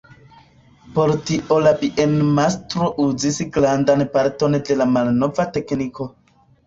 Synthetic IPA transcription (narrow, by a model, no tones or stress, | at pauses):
po̞ɾtiʔo̞labiʔenmastɾo̞ʔuzisɡɾandanpaɾto̞nde̞lamalno̞vate̞kniko̞